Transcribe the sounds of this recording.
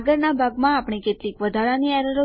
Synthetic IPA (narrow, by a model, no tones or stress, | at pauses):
ɡəɾnabʱaɡmãːpɳ̃iket̪likʋəd̪ʱaɭaniɛɾəɾo